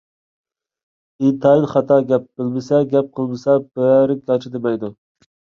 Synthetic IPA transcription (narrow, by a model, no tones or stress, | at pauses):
it̪ʰɑilχɑt̪ʰɑɡʲɛp̚b̥ɪlbɪsɛɡʲɛp̚qʰəlˠbɪsɛbæɾɪk̚ɡʲɑt͡ʃʰɪd̪ɨbɛjd̪u